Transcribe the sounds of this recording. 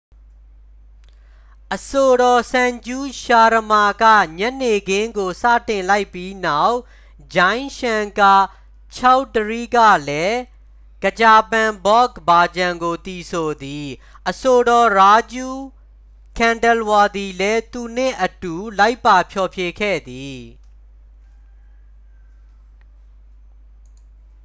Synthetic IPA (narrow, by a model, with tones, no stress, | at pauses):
ʔəso˨ɾɔ˨sã˨ɲd͡ʑu˦ʃa˨ɾə˨ma˨ɡä̰˦˨ɲɛ˦ʔne˨ɡɪ̃˦ŋɡo˨sä̰˦˨tɪ̃˨nla˦ɪpːji˦na˦˨ʊʔ | d͡ʑã˦ɪ̃nʃã˨ŋka˨ | t͡ɕʰa˦ʊtːəɹi˦ɡä̰˦˨lɛ˦ | ɡ̥ə˨t͡ɕa˨pã˨mbɔ˦ɡəba˨d͡ʑã˨ŋɡo˨t̪i˨sʰo˨d̪i˨ | ʔəso˨ɾɔ˨ɹa˦d͡ʑu˦˨ | kʰã˨ndə˨lwa˨d̪i˨lɛ˦t̪u˨n̥ɪ̰̃˦˨ʔətu˨la˦ɪpːa˨pʰjɔ˨pʰje˨kʰɛ̰˦˨d̪i˨